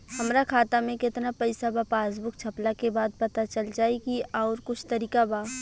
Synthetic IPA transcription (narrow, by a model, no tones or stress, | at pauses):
hɐmɾakʰaːt̪amẽkɪt̪napɐɪsabapaːzbʊkt͡ʃʰɐplakebaːd̪̚pɐt̪at͡ʃəld͡ʒaːikiɔːɾkʊt͡ʃʰt̪ɐɾiːkabaː